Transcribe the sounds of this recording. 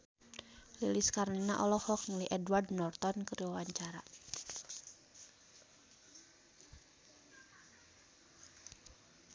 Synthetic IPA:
liliskarninaʔɔ̰lɔhɔk̚ŋliʔɛdwardnɔrt̪ɔnkəɾiwawaɲt͡ʃaɾa

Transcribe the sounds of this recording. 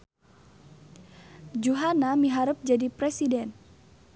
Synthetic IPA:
d͡ʒuɦanamiɦaɾəp̚d͡ʒadipɾɛsidɛn

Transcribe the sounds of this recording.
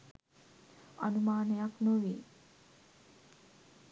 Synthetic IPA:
a̰numaːnejaknoʋiː

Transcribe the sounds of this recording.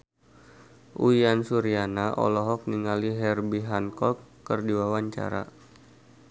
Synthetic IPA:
ʔṵiansuɾianaʔɔ̰lɔɦɔk̚niŋaliɦɛrbiɦankɔkːərdiwawaɲt͡ʃa̰ɾa̰

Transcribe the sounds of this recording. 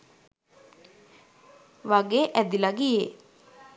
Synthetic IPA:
ʋaɡeʔæd̪ilaɡije

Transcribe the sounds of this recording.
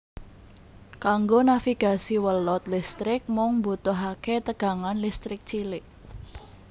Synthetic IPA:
kaŋɡonafiɡ̥a̤siwəlɔt̪list̪ɾɪk̚mɔŋmbut̪ɔɦaket̪əɡ̥a̤ŋanlist̪ɾɪk̚t͡ʃilɪʔ

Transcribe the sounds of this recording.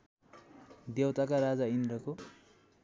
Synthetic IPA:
d̪ewt̪akaɾad͡zaind̪ɾʌko

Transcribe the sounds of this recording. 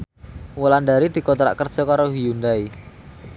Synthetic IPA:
wəlandaɾid̪̥i̤kɔt̪ɾa̰ʔkərd̥ʒ̥ɔ̤kaɾoɦijund̪ai

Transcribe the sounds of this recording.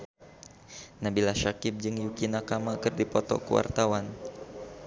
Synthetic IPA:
nabilaʃakɪp̚d͡ʒɨŋjukinakamakɨrdipɔt̪ɔ̰kuwa̰rt̪awan

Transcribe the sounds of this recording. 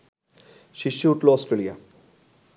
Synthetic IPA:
ʃiʃːiuʈloɔsʈɾelija̰

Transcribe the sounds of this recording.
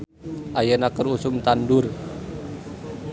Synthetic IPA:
ʔajanakəɾusʊmt̪andʊr

